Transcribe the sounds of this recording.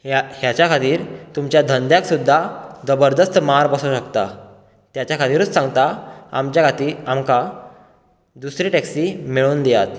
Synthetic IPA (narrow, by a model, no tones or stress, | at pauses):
hjat͡ɕjakʰat̪iːɾt̪umt͡ɕjad̪ʱənd̪jãksud̪ʱːad̪əbəɾd̪əst̪maɾbəsuɕəkt̪a | t̪jat͡ɕjakʰat̪iːɾət͡ssãŋɡt̪aa̰mt͡ɕjakʰat̪iːamka | d̪usɾiːʈɛksiːmiɭuːnd̪ejat̪